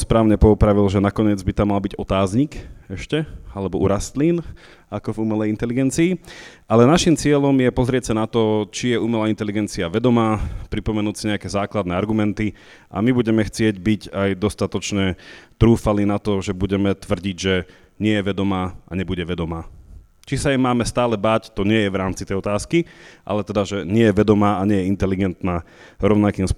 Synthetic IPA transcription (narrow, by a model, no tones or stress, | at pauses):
spɾaːʊɲɛpɔupɾaʋilʒɛnakɔɲɪɛd͡zbit̪amːalbiɟɔt̪aːzɲikɛʃcɛalɛbɔʔuɾast̪liːn | akɔvumɛlɛjint̪ɛliɡɛnt͡siːʔalɛnaʃimt͡sɪɛʎɔmjɛpɔzɾɪɛcsanat̪ɔt͡ʃijɛumɛlaːint̪ɛliɡɛnt͡siaʋɛd̪ɔmaːpɾipɔmɛnuːcsiɲɛakɛzaːklad̪nɛaɾɡumɛnt̪i | ʔa̰mibuɟɛmɛxt͡sɪɛɟbiɟajd̪ɔst̪at̪ɔt͡ʃɲɛt̪ɾuːfalinat̪ɔʒɛbuɟɛmɛt̪ʋr̩ɟiɟʒɛ | ɲɪɛjɛʋɛd̪ɔmaːʔa̰ɲɛbuɟɛʋɛd̪ɔmaː | t͡ʃisajɛmaːmɛst̪aːlɛbaːct̪ɔɲɪɛjɛʋɾaːmt͡sit̪ɛjɔt̪aːskiʔa̰lɛt̪ɛd̪aʒɛɲɪɛjɛʋɛd̪ɔmaːaɲɛjɛint̪ɛliɡɛnt̪naː | ɾɔʊnakiːmsp